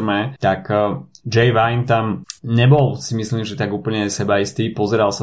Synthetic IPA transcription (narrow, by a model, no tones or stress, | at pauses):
mɛt̪akd͡ʒɛjʋajnt̪amɲɛbɔlˠsimisliːmʒɛt̪aɡuːpl̩ɲɛsɛbaist̪iːpɔzɛɾalsa